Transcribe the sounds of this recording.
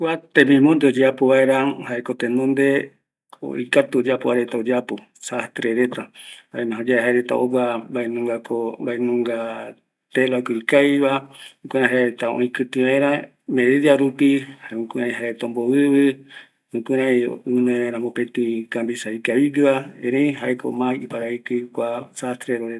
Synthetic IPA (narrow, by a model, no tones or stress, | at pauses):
kʷat̪ẽmĩmõnd̪eod͡ʒeapoβaeɾãhaekot̪enõnd̪e | o̰ḭkat̪uod͡ʒapoaɾet̪aod͡ʒapo | sast̪ɾeɾet̪ahaemãɦõd͡ʒaeɦaeɾet̪a̰oβabaenũŋɡakombaenũŋɡa | t̪elakoikajβaũkuɾ̃ãɦaeet̪aõ̰ĩkɨt̪ĩβaẽɾã | meɾidiaɾupihaeũkɨɾãĩɦaet̪ombowɨβɨ | ũkuɾãĩɨnõeɾãmbopet̪ĩkambisaikaβiɡiβaẽɾeĩɦaeko̰mãiipaɾaikɨikʷasast̪ɾeɾoɾe